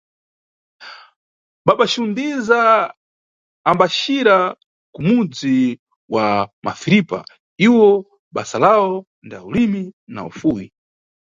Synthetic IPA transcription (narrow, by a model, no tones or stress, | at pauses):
ɓaɓaʃundiza | mbaʃiɾa | kumud͡zi | wamʔa̰fiɾipa̰ | iwɔ | ɓasalaɔ | ndaulimina̰ṵfuji